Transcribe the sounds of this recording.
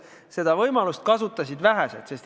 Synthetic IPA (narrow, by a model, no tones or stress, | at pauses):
se̞d̪̥ɑvɤjmɑlust̪̚kɑsut̪ːˑɑsid̪væɦæselt̪se̞st̪